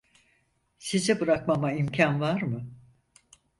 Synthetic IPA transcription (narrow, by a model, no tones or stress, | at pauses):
sizɛbɯɾakmamaimcʰanvaɾmɯ